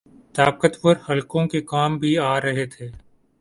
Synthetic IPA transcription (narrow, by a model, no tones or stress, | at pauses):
t̪aːqət̪pʊɾhɐlkõkekaːmbʱiaːɾɐɦet̪ʰeː